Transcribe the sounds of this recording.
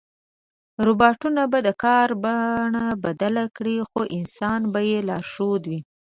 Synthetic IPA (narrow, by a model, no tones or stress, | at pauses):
ɾobɑʈunabad̪əkɑɾbaɳabad̪alakɽixoʔɪnsɑnbajelɑʃod̪wi